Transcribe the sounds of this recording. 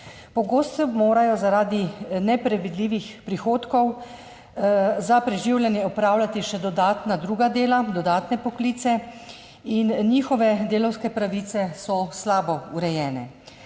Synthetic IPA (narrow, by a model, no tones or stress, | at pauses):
pɔɡoːst̪ɔmoːɾajɔzaɾaːd̪inɛpɾɛʋid̪liːʋixpɾixoːt̪kɔw | zapɾɛʒiwljɛnjɛɔpɾaːwlʲat̪iʃɛd̪ɔd̪aːt̪nad̪ɾuːɡad̪eːlad̪ɔd̪aːt̪nɛpɔkliːt̪sɛ | inniːxɔʋɛd̪eːlɔwskɛpɾaʋit̪sɛsɔslaːbɔuɾɛjɛːnɛ̰